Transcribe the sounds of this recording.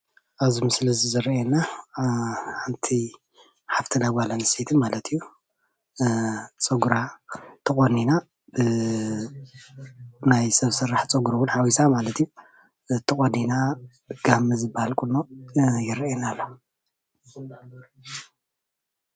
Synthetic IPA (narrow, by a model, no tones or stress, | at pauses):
ʔaβzimɨslɨzizɨɾɛna | ħant̪ʰi | ħaft̪ʰinaɡalanɨset̪ʰɨnmalɐt̪ʰijːu | t͡sʼɐɡɾat̪ʰɨχʼonina | bɨ | najsɐβsɨɾːaħt͡sʼɐɡuɾɐwʊnħawisamalɐt̪ʰijːu | t̪ʰɨχʼonina | ɡ̥amɨzɨbahalkʼulːojɪɾɐenalːo